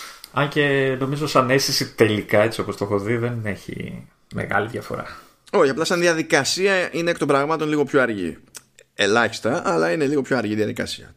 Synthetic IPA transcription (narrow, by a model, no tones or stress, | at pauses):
ɐɲce̞no̞mizosɐne̞st̪isit̪e̞likɐe̞t͡sio̞po̞st̪o̞xo̞ðiðe̞ne̞çḭ | me̞̰ɣɐ̰liðʝɐfo̞̰ɾɐ̰ | o̞çɐplɐsɐnðiɐðikɐsiɐinekt̪obɾɐɣmɐt̪o̞nliɣo̞pço̞ɐɾʝḭ | e̞lɐçi̥st̪ɐʔɐlɐine̞liɣo̞pço̞ɐɾʝiðjɐðikɐ̰siɐ̰